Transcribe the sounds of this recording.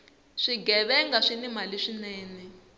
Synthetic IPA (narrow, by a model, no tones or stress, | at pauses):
ʂiɡɛβɛŋɡaʂinimaliʂinɛːnɛ